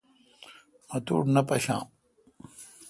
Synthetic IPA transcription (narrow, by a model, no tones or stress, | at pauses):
mɐt̪ṵːʈnɐpɐɕã̰ː